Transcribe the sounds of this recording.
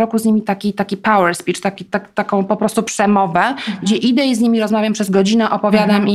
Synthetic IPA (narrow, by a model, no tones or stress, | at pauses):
ɾɔkuzɲimʲit̪akʲit̪akʲipawɛɾspʲit͡ʂt̪akʲit̪akt̪akɔ̃w̃pɔpɾɔst̪upʂɛmɔvɛɡd͡ʑɛʔid̪ɛizɲimʲiɾɔzmavʲjampʂɛzɡɔd͡ʑinɛʔɔpɔvʲjad̪ami